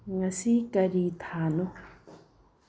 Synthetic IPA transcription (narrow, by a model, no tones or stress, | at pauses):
ŋasikʼaɾit̪ʰaːno